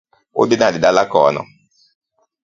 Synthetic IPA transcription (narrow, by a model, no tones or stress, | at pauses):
o̰denadɪdalakɔ̰nɔ̰